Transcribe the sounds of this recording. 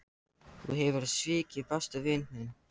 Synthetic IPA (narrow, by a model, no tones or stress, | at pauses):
θṵɦɛvʏɾaðsvɪːcɪfast̪ʏvɪnʏn